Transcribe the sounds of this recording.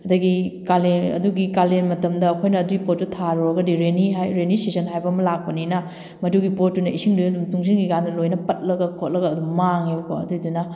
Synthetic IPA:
ɐdɐɡikalenɐ̰duɡikalenmɐtɐmdɐːkʰojnɐːduɡipot̚tːutʰaɾuɐɡɐdiɾeniɦajɾenisisɐnɦajbɐmɐlak̚pɐninɐ | mɐduɡipot̚dunɐʔisiŋduɐdumtuŋs̬inɡiɡandɐlojnɐpɐt̚lɐɡɐkʰot̚lɐɡɐːdummaŋeuko̰ɐ̰dudunɐ

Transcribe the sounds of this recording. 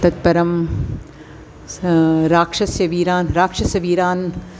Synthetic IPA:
t̪ɐt̪̚pɐɾɐm | ɾaːkʂɐsjɐʋiːɾaːnɾaːkʂɐsɐʋiːɾaːn

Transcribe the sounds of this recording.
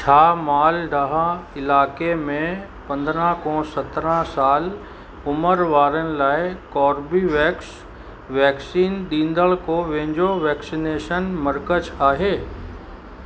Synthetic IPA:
t͡ʃʰaːmaːlɖɐɦãɪlaːkemẽ | pɐ̃nd̪ɾãkɔ̃ːsɐt̪ɾãsaːl | ʊməɾʋaːɾənɪ̆laːɪkɔːɾbiʋɛːks | ʋɛːksiːnɗĩːnd̪əɭkoʋɛ̃ɦɪ̃ɲd͡ʑoʋɛːksineːʃənmɐɾkət͡ʃaːɦeː

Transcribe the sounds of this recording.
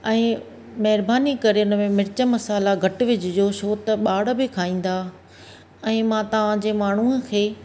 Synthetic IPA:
ɛ̃ː | mɐɦɪɾbaːnikɐɾeʊnə̆mẽmɪɾɪt͡ɕə̆mɐsaːlaɡʱɐʈʋɪd͡ʑɪd͡ʑoːʃoːt̪ɐɓaːɽ̤ə̆bɪkʰaːĩːn̆d̪aː | ɛ̃ːmãt̪ɐʋ̤ãd͡ʑeːmaːɳ̤uə̃kʰeː

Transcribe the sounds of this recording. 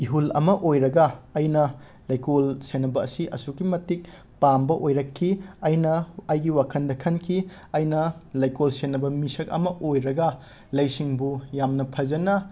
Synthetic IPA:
iɦulɐ̰mɐʔojɾɐɡɐːjnɐ | lɐjkolsenːɐbɐ̰ːsiʔɐ̰sukimɐtik̚ | pambɐʔojɾɐkʰːiɐjnɐːjɡiwakʰɐndɐkʰɐnkʰi | ɐjnɐlɐjkolsenːɐbɐmisɐkɐ̰mɐʔojɾɐɡɐ | lɐjsiŋbujamnɐpʰɐzɐnɐ

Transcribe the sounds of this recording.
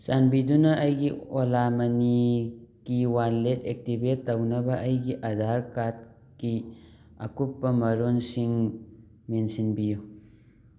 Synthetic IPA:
sanbidunɐʔːjɡiolamɐnikiwanletek̚tibetːɐwnɐbɐʔɐjɡiʔɐdʱaɾkat̚ | ki | ɐ̰kupːɐmɐɾonsiŋ | mensinbiju

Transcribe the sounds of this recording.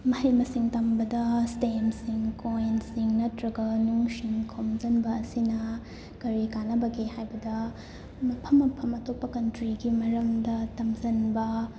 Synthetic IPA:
mɐhɐjmɐsiŋtɐmbɐdɐstemsiŋkojnsiŋnɐtɾɐɡɐnuŋsinkʰomzɐnbɐːsinɐ | kɐɾikanɐbɐɡehajbɐdɐ | mɐpʰɐmːɐpʰɐmɐtʰopːɐkɐntɾiɡimɐɾɐmdɐtɐmzɐnbɐ

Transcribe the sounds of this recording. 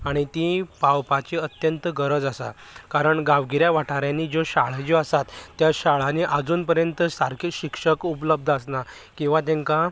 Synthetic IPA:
aɽ̃it̪ipawpat͡ɕiːət̪jənt̪əɡəɾəd͡zasa̰ | kaɾəɳɡaʋɡiɾjaʋaʈʰaɾjãnːid͡zoɕaɭ̤ad͡ʑoasat̪ːjaɕaɭaniʔad͡zuːnpəɾjənt̪əsaɾkʰiɕikʂəkupləb̚d̪ʱəsna | kĩw̃ʋat̪̬ẽŋka

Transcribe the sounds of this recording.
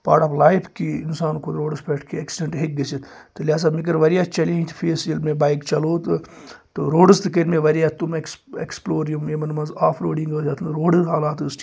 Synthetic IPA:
pa̰ːɾʈɐplaːipʰkiːɪnsaːnkot̪ɾoːɖɨspʰeːʈʰkiɐksɪɖeɳʈɦek̚ɡɐsit̪t̪ɨlʲjaːs̬aːmik̬əɾʋɐɾijaːt͡ʃɐlẽt̪ʰfʰeːsilmẽbaːikt͡ʃɐloːt̪ɨ | t̪ɨɾoːɖɨst̪ɨk̬ɐɾmẽʋɐɾijaːt̪umeksḛksploːɾijumemɐnmɐnzaːpʰɾoːɖiŋɡɐːsʰʲat̪ʰnɾoːɖɨɦaːlaːt̪ɨsʈʰ

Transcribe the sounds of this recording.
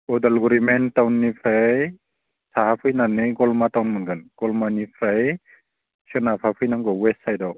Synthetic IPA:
ɔdalɡuɾimentawnːipʰɾaj | saɦapʰɯjnanɯɡɔlmatawnmɯnɡʰɯnɡ̥ɔlmanipʰɾaj | sʰɯnapʰapʰɯjnaŋɡɔwessajdɔ

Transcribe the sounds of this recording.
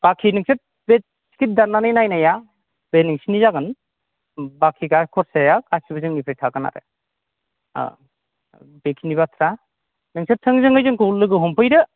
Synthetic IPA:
b̥akʰinɯŋsʰet̚ | be | si̥kʰit̚daɾnːanɯjnajnaja | b̥enɯŋsinizaɡɯn | bakʰiɡakʰɔɾsejakasibɯzɯŋnipʰɾɯjtʰaɡɯna̰ɾɯ̰ | bekʰinibatʰɾa | nɯŋsʰetʰɯŋzɯŋɯjzɯŋkʰulːɯɡɯɦɔmpʰɯjɾɯ

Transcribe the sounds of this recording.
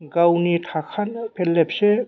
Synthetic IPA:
ɡawniʈʰakʰanpʰelːepse

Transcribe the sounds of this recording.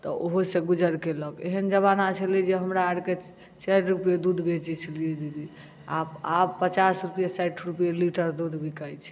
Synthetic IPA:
t̪ɔʔoɦosẽɡud͡ʒəɽkeləkḛɦənd͡ʒəβanat͡ʃʰəlid͡ʒeɦəmɾaaɽke | t͡ʃɛɾɾupjed̪ud̪ʱbet͡ʃit͡ʃʰlied̪id̪i | ababpət͡ʃasɾupijesɛʈʰɾupijeliʈəɾd̪ud̪ʱbʱikəjt͡ʃʰi̥

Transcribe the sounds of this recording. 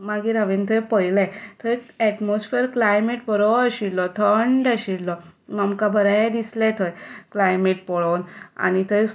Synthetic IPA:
maɡiɾaʋint̪ʰəjpəjlajt̪ʰəjɛʈmosfeɾklajmeʈpəɾɔəɕiɽlɔt̪ʰəɳɖəɕiɽlɔmamkabʱəɾajad̪islɛt̪ʰəjklajmeʈ̚pɔɭowna̰ñit̪əj

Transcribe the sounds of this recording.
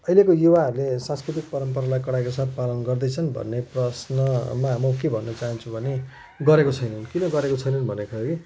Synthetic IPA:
ʌilekojuwaɦʌɾulesãnskɾit̪̬ik̚pʌɾʌmpʌɾalajkʌɽajkosat̪̚palʌnɡʌrd̪ʌjt͡sʰʌnbʱʌ̰nːeprʌsnʌmaɦmʌkebʱʌnːʌt͡saɦʌnt͡sʰũbʱʌne | ɡʌɾekot͡sʰʌjnʌnkinʌɡʌɾekot͡sʰʌjnʌnbʱʌnekʰolaɡi

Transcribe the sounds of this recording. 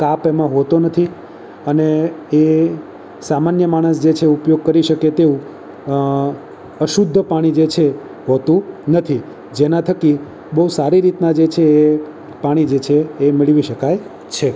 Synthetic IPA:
kapemãɦot̪onət̪ʰi | əneː | samanjəmaɽ̃əs̬d͡ʒet͡ʃʰeupjoɡ̚kəɾiʃəket̪eũ | əʃud̪ʱːəpaɽ̃id͡ʒet͡ʃʰe | ɦot̪ũnət̪ʰi | d͡ʒenãt̪ʰəki | bəɦusaɾiɾit̪nad͡ʒet͡ʃʰeː | paɽ̃id͡ʒet͡ʃʰeːmɪɭʋiʃəkaj | t͡ʃʰe

